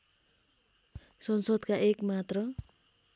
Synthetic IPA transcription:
sʌnsod̪kaʔekmat̪rʌ

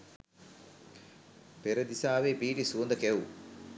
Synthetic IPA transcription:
peɾɐd̪isaːʋeːbiːʈisuːnd̪ɐkewu

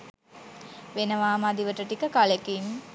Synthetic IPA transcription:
ʋenəʋaːmad̪iʋəʈəʈikəkalekim

